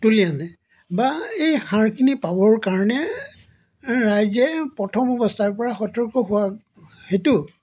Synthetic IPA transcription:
tulianɛ | baejxaɹkʰinipabɔɹkaɹɔnɛ | ɹajzɛpɹɔtʰɔmɔbɔstʰaɹpɔɹaxɔtɔɹkɔɦʊwa | hetʊ

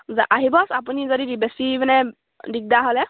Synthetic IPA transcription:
zɛʔaɦibɔsap̬unizodidibesibɛnɛ | dik̚daɦɔlɛ

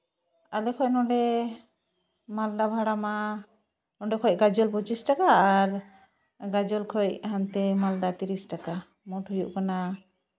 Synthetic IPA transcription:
alɛkʰɔjnɔ̃ɖɛ | mald̪abʱaɽama | nɔɖɛkʰɔc̚ɡad͡ʒɔlpɔt͡ʃisʈakaːɾ | ɡad͡ʒɔlkʰɔjcɦant̪ɛmald̪at̪iɾisʈaka | mɔʈɦɔjuʔkana

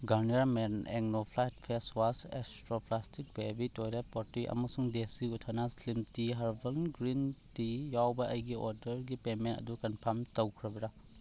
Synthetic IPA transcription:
ɡɐɾniaɾmenḛɡnopʰlajt̚pʰeswasḛstɾoplastik̚bebitojɾepotiʔɐ̰mɐsuŋdesiutʰːanaslimtiɦɐɾbɐlnɡɾintijawbɐʔɐjɡioɾdɐɾɡipementɐ̰dukɐnpʰɐɾmtɐwkʰɾɐbɐɾɐ

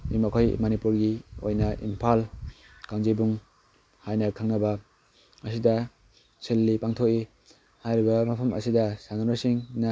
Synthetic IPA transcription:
ḭmɐkʰojmɐnipuɾɡio̰jnɐʔḭmpʰal | kaŋzijbuŋ | hajnɐkʰaŋnɐbɐ | ɐsidɐ | sʰelːipaŋtʰoki | hajɾibɐmɐpʰɐmʔɐ̰sidɐsananasiŋnɐ

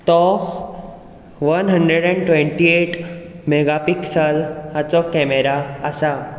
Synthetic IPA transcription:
t̪ɔ | ʋənɦəɳɖɾeɽɛ̃ɳʈʋẽɳʈieʈmeɡapiksəlat͡sɔkɛmeɾaːsa

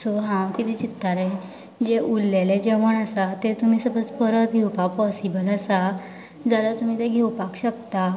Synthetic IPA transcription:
soɦãkit̪it͡ɕit̪ːale | d͡ʑeʔulːeled͡ʑeʋəɳasat̪et̪um̤iːsəbət͡spəɾət̪ɡʱewpakpɔsibələsa | d͡zalat̪um̤iːt̪eɡʱewpakɕəkt̪a

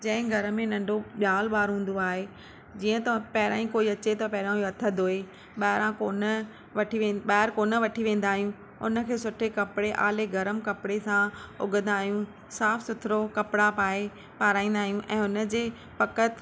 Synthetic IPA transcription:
d͡ʑɐ̃ɦɪ̃ɡʱɐɾə̆mẽnɐ̃ɳɖoɓjaːlɓaːɾɦũːn̆d̪oaːɦe | d͡ʑiːə̃t̪ɐpɐɦɪɾãːĩkoːiɐt͡ɕet̪ɐpɐɦɪɾãɐt̪ʰəd̪ʱoːe | ɓaːɪɾãkoːnə | ʋɐʈʰiʋẽːɓaːɾkoːnə̆ʋɐʈʰiʋẽːn̆d̪aːɦijũ | ʊ̰nə̆kʰeːsʊʈʰekɐpɪɽeʔa̰ːleɡɐɾəmkɐpɽesãʊ̰ɡə̃nd̪aːɦijũ | saːfsʊt̪ʰɪɾokɐpɽapaːe | paːɾaːĩːnd̪aːɦijũʔɛ̃ːʊnə̆d͡ʑeː | pɐkət̪

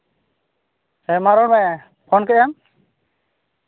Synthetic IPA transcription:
ɛmaɾɔɽmɛ | pʰɔnkɛʔam

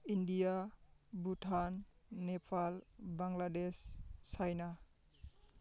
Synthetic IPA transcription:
indijabutʰanːepʰalbaŋladesːajna

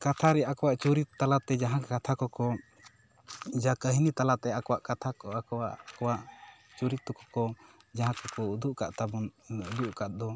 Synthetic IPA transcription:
kat̪ʰaɾɛakɔwaʔt͡ʃuɾit̪t̪ːalat̪ɛd͡ʒaɦãkat̪ʰakɔkɔ | d͡ʒakəɦinit̪alat̪ɛakɔwaʔkat̪ʰakɔakɔwa̰ʔkɔwaʔ | t͡ʃuɾit̪ːɔkɔ̥kɔ | d͡ʒaɦãkɔkɔud̪uʔka̰ʔt̪abɔnud̪uʔkaʔ̚d̪ɔ

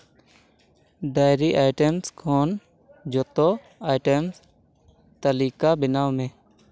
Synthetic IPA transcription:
ɖaːɪɾiːʔaːɪʈemskʰoːn | d͡ʒoːt̪oː | aːɪʈəms | t̪əliːkaːbɪnaːʋmẽː

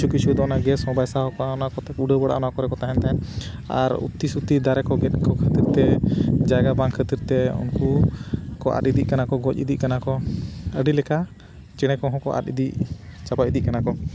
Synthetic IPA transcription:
ukisud̪ɔnaɡɛsɔ̃bajsahɔkɔaɔnaʔkɔt̪ɛuɖəbəɽa̰ʔɔnakɔɾɛkɔt̪aɦɛnt̪aɛn | a̰ɾṵt̪isut̪id̪aɾɛkɔɡɛt̪̚kɔkʰət̪iɾt̪ɛd͡ʒaɡabaŋkʰət̪iɾt̪ɛṵnkukɔʔa̰t̪id̪iʔkanakɔɡɔcḭd̪iʔkanakɔəɖilɛka | t͡ʃɛɽ̃ɛkɔ̃ɦɔ̃kɔʔa̰tḭd̪iʔt͡ʃabaʔid̪iʔkanakɔ

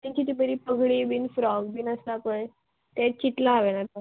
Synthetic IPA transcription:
t̪ãɲt͡ɕit̪ibəɾiːpəɡʱɽibinfɾɔɡbiːnəst̪akəj | t̪ɛ̃t͡ɕiʈlaːʋenat̪a

